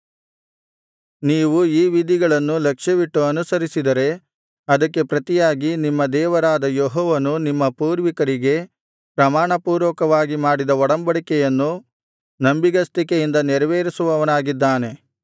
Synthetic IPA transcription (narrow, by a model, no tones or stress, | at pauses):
niːʋuiːʋid̪iɡɐɭɐnːulɐkʂɐʋiʈːuɐnusɐɾisid̪ɐɾe̞ | ɐd̪ɐkːe̞pɾɐt̪ijaːɡinimːɐd̪ɛːʋɐɾaːd̪ɐjɔɦɔːʋɐnunimːɐpuːɾʋikɐɾiɡe̞ | pɾɐmaːɳɐpuːɾʋɐkɐʋaːɡimaːɽid̪ɐɔɽɐmbɐɽikɛjɐnːu | nɐmbiɡɐst̪ikejind̪ɐnɛɾɐʋeːɾisuʋɐʋɐnaːɡid̪ːaːne̞